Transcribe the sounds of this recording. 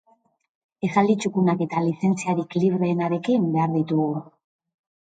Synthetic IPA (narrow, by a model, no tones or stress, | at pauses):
e̞xald̪it͡ʃukunake̞t̪alise̞nt͡siaɾikliβɾe̞ːnaɾe̞kimbe̞aɾðit̪uɣu